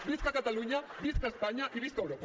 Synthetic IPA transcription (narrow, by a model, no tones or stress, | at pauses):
biskakat̪aluɲabiskaespaɲaʔiβiskəwɾop